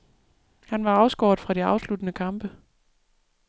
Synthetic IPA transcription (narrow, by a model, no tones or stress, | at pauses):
hænʋɑ̈ɑ̈ʊsɡ̥ɒːd̥fʁɑ̈ɾ̥iɑ̈ʊslud̥ənəkʰɑ̈mb̥ə